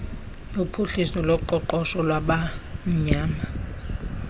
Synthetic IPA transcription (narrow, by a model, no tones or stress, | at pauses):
upʰuɬisɔlɔǃɔǃɔsɔlwaɓam̩ɲaːma